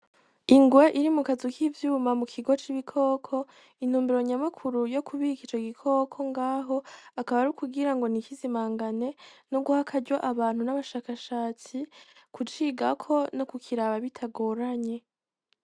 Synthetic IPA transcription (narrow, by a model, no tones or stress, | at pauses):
iŋɡwaʔiɾimukazukʰivjuːmamukʰiɡo̞t͡ʃiβikʰo̞ːkʰo̞ | in̥huːmbiɾo̞ɲamakʰuɾujo̞kʰuβikit͡ʃo̞ɡikʰo̞ːkʰo̞ŋɡaːɦo̞akaβaɾukubɡiɾaŋɡo̞nikizimaːŋɡane̞noɡuhakʰaɟwaʔaβaːn̥hunaβaʃaːkaʃaːt͡sikʰut͡ʃiɡakʰo̞no̞kukʰiɾaβaβitʰaɡo̞ːɾaɲe̞